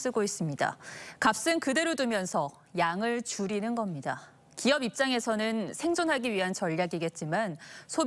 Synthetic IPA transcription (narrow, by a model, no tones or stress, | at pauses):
s͈ɯɡois͈ɯmɲida̰kap̚s͈ɯnkɯde̞ɾodumjʌnsʰʌ | jaŋɯɭt͡ɕuɾinɯnɡʌmɲida | kiʌbip̚t͡ɕ͈aŋe̞sʰʌnɯnsʰe̞ŋd͡ʑonɦaɡiɥiɦant͡ɕʌʎːaɡiɡe̞t̚t͡ɕ͈imansʰo